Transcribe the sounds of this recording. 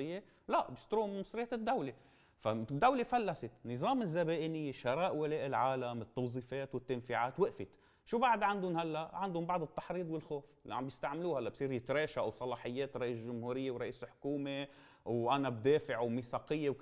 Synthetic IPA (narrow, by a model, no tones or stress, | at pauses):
ɪjːe | laʔbɪst̪ɾuːmmɑsˤɾɪjːat̪ɪd̪ːawle | fad̪ːawlefalːasɪt̪nɨzˤɑːmɪzːabeːʔɪnɪjːeʃɑɾˤɑːʔwaleːʔɪlʕaːlamɪt̪ːɑwzˤiːfeːt̪wɪt̪ːanfiʕaːt̪wɪʔfɪt̪ | ʃuːbaʕd̪ʕand̪ʊnhalːaʔʕand̪ʊmbɑʕd̪ˤɨt̪ːɑ̥ħɾiːd̪ˤwɪlxoːflḭʕa̰mbjɪst̪aʕmluːhalːaʔbsˤiːɾjɪt̪ɾeːʃaʔwsˤɑlɑːħɪjːeːt̪ɾˤɑʔiːslʒʊmhuːɾɪjːewɾˤɑʔiːslħʊ̥kuːme | wʔanab̚d̪eːfɪʕumisɑːqɪjːew